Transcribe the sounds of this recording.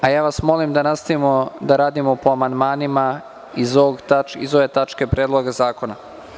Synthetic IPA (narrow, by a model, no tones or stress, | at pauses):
ajaːʋasmo̞limd̪anast̪aʋimod̪aɾaːd̪imo̞po̞amand̪maːnima | izooɡt̪aḭzoʋe̞t̪at͡ʃke̞pɾeːd̪lˠoɡazaːko̞na